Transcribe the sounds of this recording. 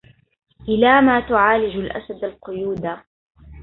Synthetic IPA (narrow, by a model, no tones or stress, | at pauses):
ʔɪlaːmaːt̪ʊʕaːlɪd͡ʒʊlʔa̰sad̪alqʊjuːd̪a